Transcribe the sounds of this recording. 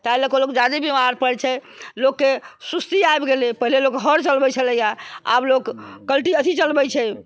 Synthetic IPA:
t̪ajləkolokd͡ʒad̪ibimaɾpəɽt͡ʃʰɛ | lokːesust̪iaebɡelepəɦilelokɦəɾt͡ʃəlbɛt͡ʃʰələjaa̰blokːəlʈiət̪ʰit͡ʃəlbɛt͡ʃʰɛ

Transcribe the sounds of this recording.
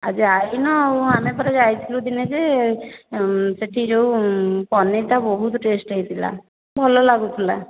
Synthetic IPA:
a̰d͡ʒiajnɔamepəɾad͡ʒajt̪ʰilud̪ined͡ʒe | seʈʰid͡ʒoupɔnet̪abɔɦut̪ʈesʈəɦit̪ʰila̰ | bʱɔlolaɡuk̪ʰula

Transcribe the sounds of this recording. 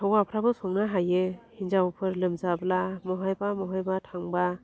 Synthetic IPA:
awapʰɾabɯsɔŋnaɦajehinzaupʰɯɾlɯmzablamɔɦajbamɔɦajbatʰaŋba

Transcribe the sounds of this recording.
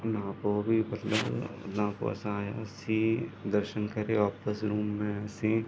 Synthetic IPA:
ʊnãkobʱimɐt̪lə̰b̰t̪nãko̰ɐ̰sãaːja̰sĩd̪ɐɾʃənkɐɾeʋaːpəsɾuːmːẽsĩ

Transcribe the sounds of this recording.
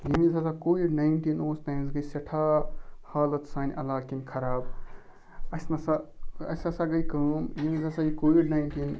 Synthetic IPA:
jimizasakoːʋiɖnaːiɳʈinoːsnaːjmsɡɐisɐʈʰaːhaːlɐt̪saːnʲʔɐ̰laːkinkʰɐɾaːb̚ | ɐsnɐsaɐ̰sasaɡɐikɐːmjimizasaikoːʋiɖnajɳʈiːn

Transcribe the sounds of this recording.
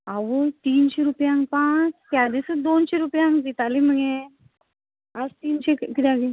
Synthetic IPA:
aʋət̪iːnɕeɾupjãŋɡpãt͡ʃt̪jad̪isəd̪onɕeɾupjãŋɡɡit̪alim̤əɡe | əst̪iːnɕekit̪aɡi

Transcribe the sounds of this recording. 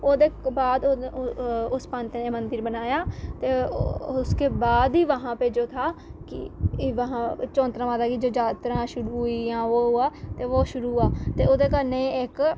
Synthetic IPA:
oːd̪eːkbaːd̪o | ʊspãːnt̪ːneːmənd̪əɾbənaːjaːt̪eːʊskeːbaːd̪iːʋəɦãːpeːd͡ʒoːt̪ʰaːkɪ̰ʋəɦãːt͡ʃɔ̃ːnt̪ɾãːʋãːd̪aːkid͡ʒoːd͡ʒaːt̪ɾãːʃʊɾuiːãːʋoːɦʊaːt̪eːʋoːʃʊɾuːaːt̪eːoːd̪eːk̬əɾneːɪk

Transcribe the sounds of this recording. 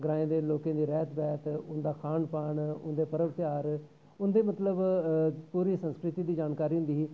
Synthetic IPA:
ɡəɾaːẽːd̪eːloːkẽːd̪iːɾɛːt̪ʰbɛːt̪ʊnd̪aːkʰaːɳpaːɳʊ̰nd̪eːpəɾəʋt̪ɪjaːɾ | ʊnd̪eːmət̪ləbpuːɾiːsə̃nskɾɪt̪iːd̪iːd͡ʒaːnkaːɾiːɦʊ̃nd̪iːiː

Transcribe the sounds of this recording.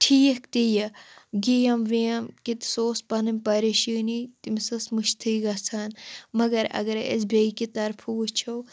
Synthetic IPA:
ʈʰiːkt̪ijɐɡijɐmʋiɐmkit̪soːspɐnɨmʲpɐɾiʃiːnit̪imsɨsmɨʃt̪ʰɨːɡɐsʰanmɐɡɐɾɐ̰ɡɐɾḛsbʲɐikit̪ɐɾpʰuːt͡ʃʰow

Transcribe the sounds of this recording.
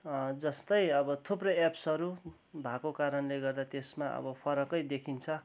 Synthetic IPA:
d͡zʌst̪ʌjʌbʌt̪ʰuprʌjapsʌɾu | bʱakokaɾʌnleɡʌrd̪at̪esmaʌ̰bʌpʰʌɾʌkʌjd̪ekʰint͡sʰʌ

